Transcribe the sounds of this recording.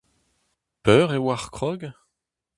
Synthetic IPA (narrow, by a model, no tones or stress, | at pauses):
pœːʁewaʁkχɔɡ